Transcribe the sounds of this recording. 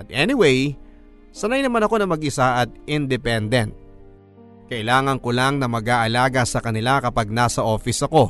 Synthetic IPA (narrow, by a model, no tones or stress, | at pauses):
ɐt̪ʔɛnɪwej | sɐnajnɐmanɐko̞nɐmɐɡʔɪsaʔɐt̪̚ɪnd̪ɛpɛnd̪ɛnt̪̚ | kɐʔɪlaːŋɐŋkolaŋnɐmɐɡaːʔɐlaːɡɐsɐkɐnɪlakɐpaɡ̚nasɐʔo̞ːfɪsɐko̞